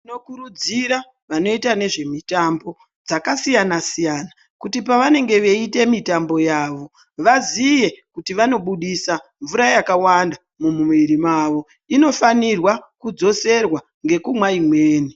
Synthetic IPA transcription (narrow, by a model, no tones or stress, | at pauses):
ino̞kuɾud͡ziɾa | ʋano̞itane̞ʐe̞mitambo̞ | d͡zakasijanasijaːna | kutipaʋane̞ŋɡe̞ʋe̞ite̞mitambo̞jaːʋo̞ | ʋazije̞kutiʋano̞ɓuɗisaɱvuɾajakawanda | mumumiɾimaːʋo̞ | ino̞fanirwakud͡zo̞se̞rwa | ŋɡe̞kumwaimwe̞ːni